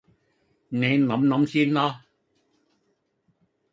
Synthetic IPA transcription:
ne˨˦nɔ˨˦mnɔ˨˦msi˧˩nlɔ˧˦

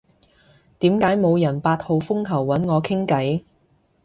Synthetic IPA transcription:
t̪iː˨˥mkaː˨˥jmo˨˧wjɐ˨˩npaː˧t̚ho˨˧wfʊ˥ŋkʰɐ˨˩wːɐ˨˥nŋɔː˨˧kʰɪ˥ŋkɐ˨˥j

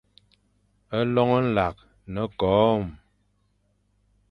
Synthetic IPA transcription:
ə˦lɔ˦ŋə˦n̩˦la˨k̚ | nə˨kɔː˨˦˨m

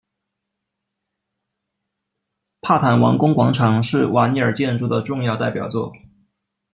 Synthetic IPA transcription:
pʰa˥˩t̪ʰa˨˩nwɑ̰˧˥ŋkʊ˥ŋkwɑ˧˥ŋʈ͡ʂʰɑ˧˥ŋʂɻ̩˥˩wa˧˥ni˧˥ə˞˨˩t͡ɕjɛ˥˧nʈ͡ʂu˥˩d̪ə˩ʈ͡ʂʊ˥˧ŋjɑ˥˧ʊt̪a˥˩ɪpjɑ˨˩ʊt͡swɔ̰˥˩

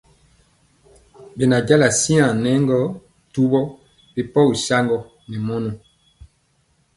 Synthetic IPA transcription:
be˨na˨ɟa˦la˨si˦ã˨nɛ˦ŋɡɔ˦ | tu˦bɔ˦ | be˨pɔ˦u˨sa˦ŋɡɔ˦ | nɛ˨mɔ˦nɔ˨

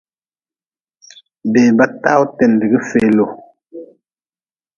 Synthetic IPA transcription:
beː˨ba˦ta̰˦u˦tɛ˨ndi˨ɡi˦fe˨lo˨

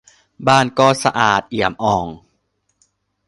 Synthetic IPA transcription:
baː˥˩nkɔː˥˩sa̰˧ʔaː˨˩t̪̚ʔi˨˩əmʔɔː˨˩ŋ

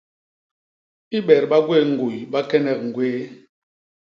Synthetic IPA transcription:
i˦ɓɛ˨ɾɓa˦ɡwe˦˨ŋ̩˨ɡu˨jɓa˦kɛ˦nɛ˦˨k̚ŋ̩˨ɡweː˦

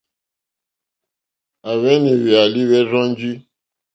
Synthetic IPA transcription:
a˨βɛ˦nĩ˨wi˨a˨li˦βɛ˦zɔ̃˦n˦d͡ʒi˦

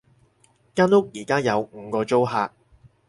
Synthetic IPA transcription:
kaː˥nʊ˥k̚jiː˨˩kaː˥jɐ˨˧wŋ̩ː˨˧kɔː˧t͡ʃo˥wɦaː˧k̚

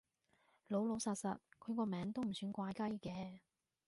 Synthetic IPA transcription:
lo˨˧wlo˨˧wsaː˨t̚sɐ̰˨t̚kʰɵ˨˧ɥkɔː˧mɛː˨˧˥ŋt̪o˥wm̩˨˩syː˨˧˥nkʷaː˧jkɐ˥jkɛː˧

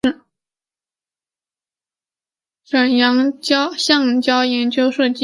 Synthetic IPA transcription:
ʂə˨˩njɑ˧˥ŋt͡ɕɕjɑ˥˩ŋt͡ɕjɑ˥ʊjɛ˧˥nt͡ɕjo˥ʊʂɤ˥˩t͡ɕi˥

